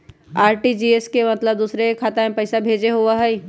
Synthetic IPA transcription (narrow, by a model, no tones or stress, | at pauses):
aːɾʈid͡ʒiːeskemɐt̪ləb̚d̪uːsɾekʰaːt̪aẽpɐɪsabʱeːd͡ʒeɦoaɦɛi